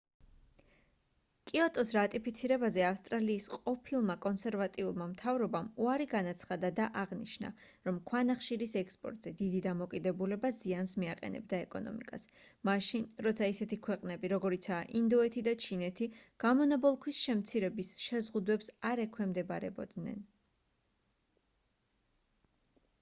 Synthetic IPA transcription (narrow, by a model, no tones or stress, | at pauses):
kʼiɔt̪ʼɔsɾat̪ʼipʰit̪sʰiɾɛbazɛafst̪ʼɾaliːsqʼɔpʰilˠmakʼɔnsɛɾvat̪ʼiulˠmamt̪ʰavɾɔbamuaɾiɡanat̪sʰχad̪ad̪aʔaʁnḭʃna̰ | ɾɔmkʰwanaχʃiɾisɛkspʼɔ̰ɾt̪ʼzɛd̪id̪id̪amɔkʼid̪ɛbulɛbaziansmiaqʼɛ̰nɛ̰b̚d̪aɛkʼɔ̰nɔ̰mḭkʼas | maʃinɾɔt̪sʰaisɛt̪ʰikʰwɛqʼnɛbiɾɔɡɔɾit̪sʰaʔind̪ɔɛt̪ʰid̪at͡ʃʰinɛt̪ʰiɡ̥amɔnabɔlˠkʰwisʃɛmt̪sʰiɾɛbisʃɛzʁud̪wɛpsaɾɛkʰwɛmd̪ɛbaɾɛ̰bɔ̰d̪nɛ̰n